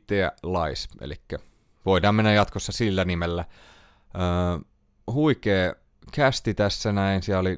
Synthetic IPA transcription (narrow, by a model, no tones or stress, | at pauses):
t̪ːeæ̰lɑisḛlikːæ | ʋoidɑːmmenːæjɑt̪kosːɑsilːænimelːæ | əː | huikeː | kæst̪it̪æsːænæinsiæoli